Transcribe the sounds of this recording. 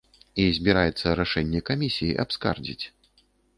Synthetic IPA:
izʲbʲiɾajɛt̪sːɐɾaʂɛnʲːɛkamʲisʲijiʔapska̰rd͡zʲḭt͡sʲ

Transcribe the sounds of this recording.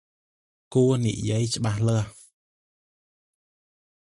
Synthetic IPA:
kuːənḭʔjiəjt͡ɕə̆ɓahləəh

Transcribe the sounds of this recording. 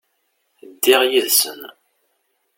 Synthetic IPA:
d̪ːɪʁjiðsə̰n

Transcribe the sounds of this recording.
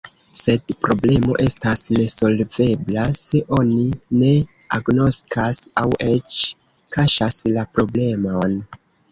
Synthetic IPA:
se̞dpɾo̞ble̞mo̞̰ʔe̞stasne̞so̞lve̞blase̞ʔo̞nine̞ | aɡno̞skasawʔe̞t͡ʃ | kaʃaslapɾo̞ble̞mon

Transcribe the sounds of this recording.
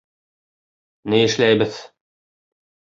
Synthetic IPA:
nɘjɘ̆ʃlæjbɘð

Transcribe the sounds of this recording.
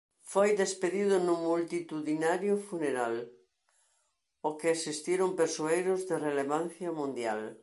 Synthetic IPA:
fojðespeðiðʊnʊmult̪it̪uðinaɾjʊfuneɾal | okɪesist̪iɾʊmpeɾsoejɾʊzðereleβan̟θjɐmũnd̪jal

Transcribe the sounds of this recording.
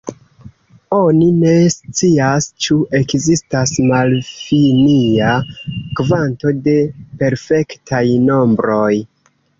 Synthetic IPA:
o̞nine̞st͡siast͡ʃuʔe̞kzistasmalfiniakvanto̞de̞pe̞ɾfe̞ktʰajno̞mbɾo̞j

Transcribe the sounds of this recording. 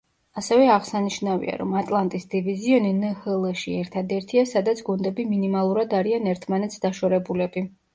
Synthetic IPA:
asɛvɛaʁsaniʃnavḭa̰ɾɔ̰mat̪ʼlˠant̪ʼisd̪iviziɔninɛhɛlˠʃiɛɾt̪ʰad̪ɛɾt̪ʰiasad̪at̪sʰɡund̪ɛbiminimalˠuɾad̪aɾianɛɾt̪ʰmanɛt̪sd̪aʃɔɾɛbulɛbi

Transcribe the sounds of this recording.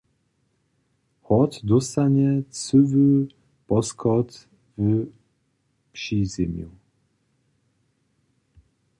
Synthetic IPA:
hɔt̪d̪ɔst̪aɲɛt͡suvɨ | pɔskʰɔt̪ | v | pʂizɛmjṵ

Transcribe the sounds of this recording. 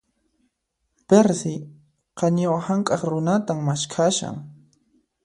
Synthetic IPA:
peɾsɪ | qɑɲawahaŋkʼɑχɾʊnat̪aŋmaʃkʰaʃa̰ŋ

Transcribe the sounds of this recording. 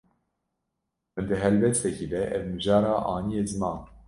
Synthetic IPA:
mɨnd̪ɨɦɛlbɛst̪ɛkiːd̪ɛʔɛvmɨʒɑːɾɑːʔɑːnijeːzɨmɑ̃ːn

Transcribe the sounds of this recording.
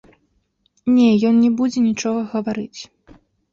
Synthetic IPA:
nʲɛjɔnnʲɛbud͡zʲɛnʲit͡ʂɔɣɐɣɐvaɾɨt͡sʲ

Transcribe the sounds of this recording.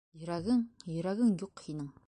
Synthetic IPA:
jɾæɡɪŋjɵɾæɡʲɪŋjoqhinɪŋ

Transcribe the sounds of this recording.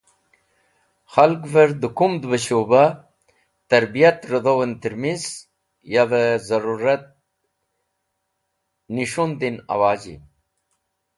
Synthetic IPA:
xalkvɐɾd̪ɨkumd̪bəɕoba | t̪ɐɾbijat̪ɾəd̪owənt̪iɾmiz | jaðəzɐɾuɾɐt̪̚ | niʂund̪ina̰waːd͡ʑḭ

